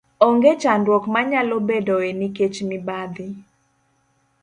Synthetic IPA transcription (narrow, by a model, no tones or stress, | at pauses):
ɔŋɡet͡ʃandwɔkmaɲalobedɔeniket͡ʃmɪbad̪ɪ